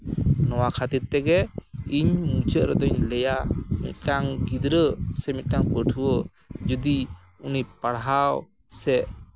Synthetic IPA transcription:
nɔwakʰat̪iɾt̪ɛɡɛiɲmut͡ʃəʔɾɔd̪ɔɲlɛjamḭt̪̚ˀʈaŋɡid̪ɾəsɛmit̪̚ˀʈaŋpəʈʰuwə | d͡ʒud̪i | unipaɽɦaw | sɛʔ

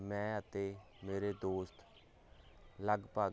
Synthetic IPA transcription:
mɛ̃ːət̪eː | meːɾeːd̪oːst̪ | ləɡpaː

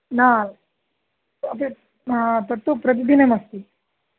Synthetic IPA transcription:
na | ɐt̪e | ɦãt̪əɾt̪upɾɐd̪id̪inemɐst̪i

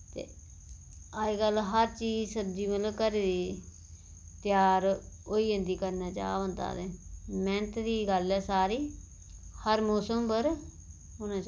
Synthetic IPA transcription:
t̪ḛː | aiːɡəlɦəɾt͡ʃiːd͡ʒsəd͡ʒiːmələkəɾeːd̪iː | t̪ɪjaːɾ | oːiːə̃nd̪iːkəɾnaːt͡ʃa̰ːʋə̃nd̪a̰ːd̪ẽːmɛːnət̪d̪iːɡəlɛːsaːɾiː | həɾmoːsəmbəɾ | ʊnãːt͡ʃ

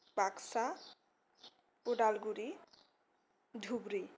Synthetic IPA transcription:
paksa | poɖalɡuɾi | d̪ʱubɾi

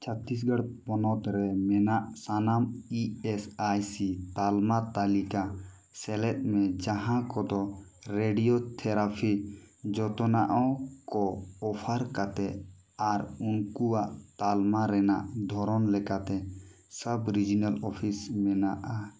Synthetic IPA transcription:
t͡ʃʰat̪ːis̬ɡəɽpɔnɔt̪ɾɛmɛnaʔsanamiɛsajsit̪almat̪alika | sɛlɛt̪̚ˀmɛ̃d͡ʒaɦãkɔd̪ɔ | ɾeɖijot̪ʰɛɾapʰid͡ʒɔt̪ɔnaʔɔkɔːpʰaɾkat̪ɛ | aɾunkuwaʔt̪almaɾɛna̰ʔd̪ʱɔɾɔnlɛkat̪ɛ | səbɾid͡ʒinalɔpʰismɛnaʔa

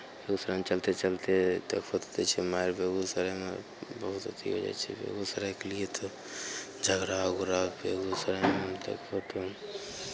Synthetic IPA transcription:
beɡusəɾənt͡ʃəlt̪et͡ʃəlt̪et̪əkfʰot̪ot̪et͡ʃʰimaiɾbeɡusəɾəmḛ | bəɦut̪ot̪ḭɦo̰d͡ʒa̰jt͡ʃʰɛ̰bḛɡusəɾəkelijet̪ɔ | d͡ʒʱəɡɾaɡuɾabeɡusəɾɛmt̪ə̰kfʰot̪o

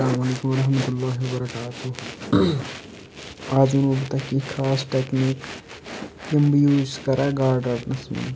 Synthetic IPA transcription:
slaːmɐleːkʊmɐɾɐɦmət̪ʊlːaːɦiwɐbɐɾɐkaːt̪o | aːd͡ʒʊnobɐt̪akikʰaːsʈeːknik | kɪmbjuːzkɐɾaːɡaːɾɖaːɾʈnɐsmã̰n

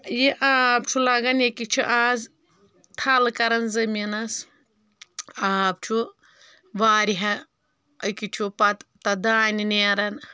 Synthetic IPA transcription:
jiʔaːb̚t͡ʃʰulaɡɐnjekit͡ʃʰuʔaːz | t̪ʰɐlkɐɾɐnzɐminɐs | aːbt͡ʃʰu | ʋaːɾʲiɦɐ | əkit͡ʃʰupɐt̪t̪ɐd̪aːnineːɾɐn

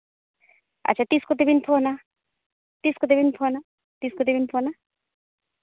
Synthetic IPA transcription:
ɐ̰ːt͡ʃʰat̪iskot̪ebinpʰona | t̪iskot̪̬ebinpʰona | t̪iskot̪ebinpʰona

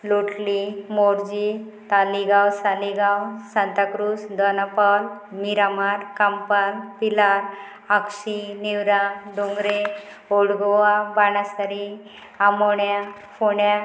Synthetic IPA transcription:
luʈlimoɾd͡ʑi | t̪aliɡawsaliɡawsãnt̪akɾusd̪ɔnapalmiɾamaɾkampalpilaɾ | aksiniwɾad̪oŋɡɾe | oɽɡɔʋabaɽasaɾi | amoɳja | foɳja

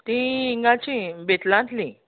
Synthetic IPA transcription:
t̪ĩiŋɡãt͡ɕĩbet̪lãnt̪lĩ

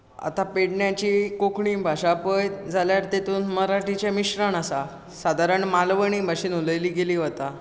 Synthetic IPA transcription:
a̰t̪apeɽɳjat͡ɕiːkokɳiːbʱaɕapəjd͡zʱaljaɾt̪et̪uːnməɾaʈit͡ɕjamiɕɾaɳasa | sad̪ʱaɾəɳmalʋəɳ̃iːbʱaɕiːnuləjliːɡeliːʋət̪a

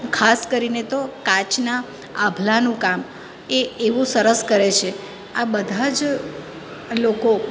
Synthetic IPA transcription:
kʰaskəɾinet̪okãt͡ʃna | abʱlanũkam | eeʋũsəɾəskəɾet͡ʃʰe | abəd̪ʱad͡ʒ | loko

